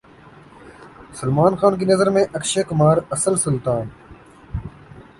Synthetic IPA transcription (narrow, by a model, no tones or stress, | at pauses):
ʊsəlmaːnxaːnkiːnəzəɾmẽːʔəkʃeːkʊmaːɾəsəlsʊlt̪aːn